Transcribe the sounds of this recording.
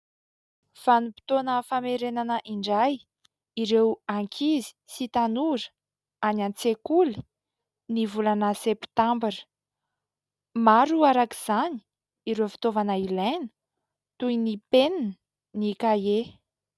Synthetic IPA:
fanipi̥t̪onəfameɾenanəʔiɳɖ͡ʐaj | iɾewaŋkʰizi̥sit̪anuɾə̥ | anant͡sekuli̥ | nivulanəsept̪ambiɾə̥ | maɾuaɾakiz̥ani̥ | iɾewfi̥t̪ovanəilenə̥ | t̪ujnipenini | nikaje

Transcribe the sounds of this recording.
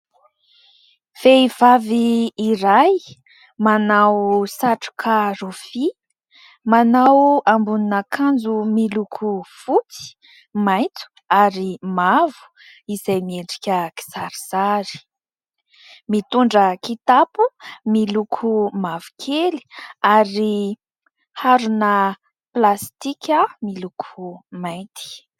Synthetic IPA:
feiv̥aviːɾaj | manawsaʈ͡ʂu̥kʰarofi | manawambuninəkʰand͡zumilukʰufut͡si̥ | majnt͡s̪u̥ | aɾimavu̥ | izajmieɳɖ͡ʐi̥kʲəki̥zaɾiz̥aɾi̥ | mit̪uɳɖ͡ʐəkit̪apumilukʰumavu̥kʰeli̥aɾi | haɾunə | plast̪ikʲəmilukʰumajt̪ʰi̥

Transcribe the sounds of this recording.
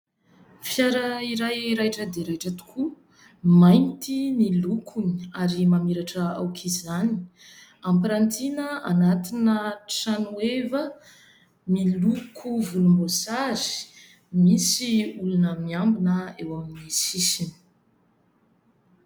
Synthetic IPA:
fjaɾəiɾajɾajʈ͡ʂəd̪eɾajʈ͡ʂət̪u̥kʰu | majnt̪inilukʰuniaɾimamiɾaʈ͡ʂəa̰wkʰizani̥ | ampiɾant̪inəanat̪inəʈ͡ʂanuevə | milukʰuvulumbosazi̥ | misiulunəmiambinəewaminisisini̥

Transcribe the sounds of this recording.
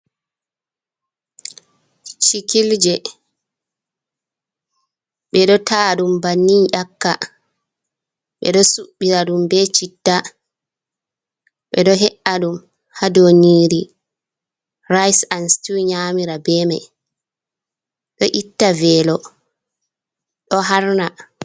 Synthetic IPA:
t͡ʃikild͡ʒɛ | ɓɛɗɔtʰaːɗumbanːiɲʔakːa̰ | ɓɛ̰ɗɔsuɓːiɾaɗumbɛt͡ʃitːa | ɓɛɗɔɦɛʔaɗum | hadoniːɾi | rajsanstiɲaːmiɾabɛmɛ | ɗɔʔitːavɛːlɔ | ɗɔɦaɾna

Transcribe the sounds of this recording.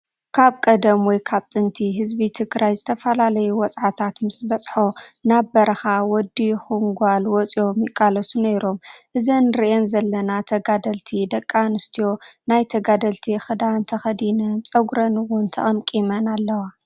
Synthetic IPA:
kʰaβkʼɐd̪ɐmwɔjkʰaβt̪ʼɨnt̪ʰiɦɨzbit̪ʰɨkɾʔajzɨt̪ʰɐfɐlalɐjuwɔt͡sʼʕat̪ʰat̪mɨsbɐt͡sʼħo̞nabbɐɾɐxawɔd̪ːixɨŋɡʷalwɔt͡sʼio̞mjɪkʼːalɐsunɐjɾo̞mʔɨzɐnɨɾiʔenzɐlːɐnat̪ʰɐɡad̪ɐlt̪ʰid̪ɐkʼːanɨst̪ʰijo̞najt̪ʰɐɡad̪ɐlt̪ʰixɨd̪ant̪ʰɐxɐd̪inɐnt͡sʼɐɡɾɐnɨwʊnt̪ʰɐ̰ʔʼɐmkʼimɐnalːɐwa

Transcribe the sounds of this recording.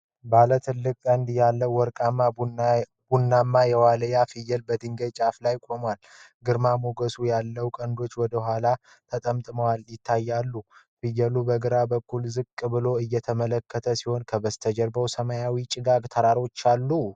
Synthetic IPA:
balət̪ʰɨlːɨkʼːənd̪jalːəwwɔɾkʼamːa | b̥unːamːajɛwaləjafɨjːɛlbəd̪ɨŋɡəjt͡ʃʼaflajkʼo̞mwal | ɡɨɾmamoɡəsujalːəwkʼənd̪o̞t͡ʃːwɔd̪əɦʷala | t̪ʰət̪ʼəmt̪ʼɨməwaljɪt̪ʰːajːalːu | fɨjːəlubəɡɨɾabəkːulzɨkʼːɨbɨlo̞ɨjːɛt̪ʰəmələkːət̪ʰəsiho̞nkʰəbəst̪ʰəd͡ʒɛɾbəwsəmajawit͡ʃʼɪɡaɡt̪ʰəɾaɾo̞t͡ʃːalːu

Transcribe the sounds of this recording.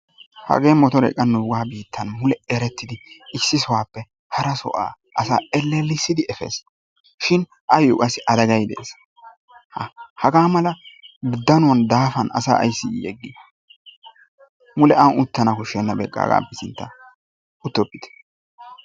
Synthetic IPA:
hɐ̰ɡe̞ːmɔt̪ɔɾɛ̰kʼːɐnːʊɡaːbiːt̪ʰːɐnmʊlɛɛɾɛt̪ːɪd̪ɪɪsːɪsɔwaːpːɛ | hɐɾɐsɔ̰ʔa̰ː | ʔɐsa̰ːɛlːɛlːɪsːɪd̪ɪɛfḛːs | ʃɪn | ʔɐjokʼɐsːɪʔɐd̪ɐɡɐjd̪ɛʔes | hhɐɡaːmɐlɐɡd̪ːɐnʊwɐnd̪aːfɐnʔɐ̰sa̰ːʔɐ̰jsːɪ̰jɛ̰ɡːɪ | mʊlɛʔɐnʊt̪ːɐnɐkʊʃɛnːɐbɛ̰kʼːa̰ːɡa̰ːpːɛsɪnt̪ːɐ | ʊt̪ːɔpːɪ̥t̪ɛ̥

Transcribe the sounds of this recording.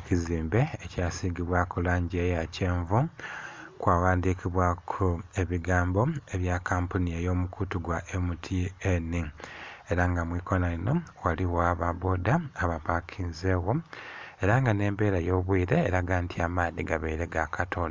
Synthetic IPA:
ciziːmbe̞ecaːsiːɡiβwakulaːɲɟejace̞ːɱvu | kwaːwaːndikiβwakʰue̞βiɡaːmbo̞e̞βjakaːmpuniejo̞ːmukutuɡwaʔemutʰienie̞ɾaŋɡamwiːko̞naino̞waliwoaβaβo̞daːβapakʰinze̞ɣo̞e̞ɾaŋɡane̞ːmbe̞ːɾajo̞ːβwiːɾe̞ːɾaɡaːntʰiamaːðiɡaβeiɾe̞ɡakʰatʰo̞na

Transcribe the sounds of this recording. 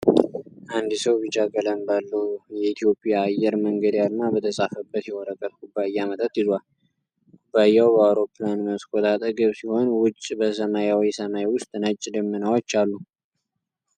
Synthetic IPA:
ʔand̪ɨsəwbit͡ʃʼaɡʼələmbalːəwjɛit̪ʰijo̞pʼjaːjːɛɾməŋɡəd̪jalnabət̪ʰəsʼafəbːət̪jɛwɔɾəkʼːət̪kʼubːajːamət̪ʼət̪ʼɪzwal | kubːajːawbəawɾo̞pːlanməskʰʼot̪ʼat̪ʼəɾɡəβsiho̞nwʊt͡ʃʼbəsəmajawisəmajwʊst̪ʼnət͡ʃʼːɪd̪əmːɨnawot͡ʃːalːu

